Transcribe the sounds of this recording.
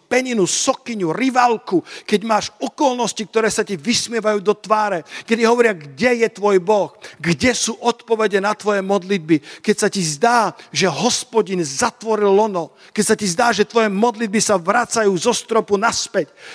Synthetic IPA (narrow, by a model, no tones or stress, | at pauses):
pɛɲinusɔkiɲuɾiʋalkukɛɟmaːʃɔkɔlnɔscik̚t̪ɔɾɛːsaciʋismɪɛʋajuːd̪ɔt̪ʋaːɾɛkɛd̪iɦɔʋɔɾɪaɡɟɛjɛt̪ʋɔjbɔxɡɟɛsuːʔɔt̪pɔʋɛɟɛnat̪ʋɔjɛmɔd̪lid̪̚bikɛcsacizd̪aːʒɛɦɔspɔɟinzat̪ʋɔɾilːɔnɔ | kɛcsacizd̪aːʒɛt̪ʋɔjɛmɔd̪lid̪̚bisaʋɾat͡sajuːzɔst̪ɾɔpunaspɛc